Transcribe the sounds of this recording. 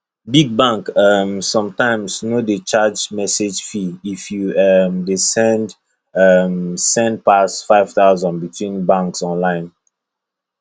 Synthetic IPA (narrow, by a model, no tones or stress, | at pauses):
biɡ̚bãŋkʌmsɔ̃mtãɪ̃msnodet͡ʃad͡ʒmɛsed͡ʒfiifjuʌmdesɛ̃nd | ʌmsɛ̃nd̚pasfaɪv̥taʊzə̃nbitʰwĩnbãŋksɔ̃nlãɪ̃n